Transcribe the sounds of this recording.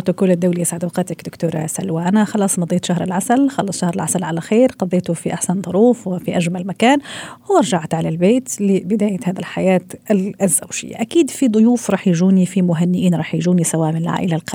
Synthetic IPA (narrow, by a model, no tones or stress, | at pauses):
ot̪ʊkuːlɪd̪ːawlijɪsʕad̪wɑqɑːt̪akd̪ʊkt̪uːɾˤsalwaʔanaxɑlɑːsˤnɑd̪ˤiːt̪ʃaɦɾɪ̰lʕasalxɑlːɑsˤʃahɾɪlʕasalʕalaxiːɾqɑðˤeːt̪ʊfiʔaħsand̪ˤʊɾuːfwɪfiʔaʒmalmakaːnwɑɾˤʒaʕt̪ʕalalbeːt̪lɪbɪd̪aːjahaːd̪ilħajaːt̪zːawʒɪ̰jːa̰ʔakiːd̪fid̪ˤʊjuːfɾˤɑːħjʒuːnifimʊɦanːɪʔiːnɾˤɑːħjʒuːnisawaːʔmɪnɪlʕa̰ːʔɪlalqɑ